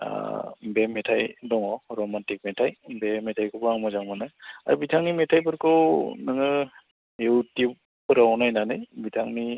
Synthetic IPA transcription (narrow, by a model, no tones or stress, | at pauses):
bemɛtʰajdɔŋɔhɔɾɔmantik̚mɛtʰajbemɛtʰajkʰubaŋmɔzaŋmanaja̰ɾubitʰaŋnimɛtʰajpɯɾkʰɯwnɯŋɯ | jutjup | pɯɾanajnanɯjbitʰaŋni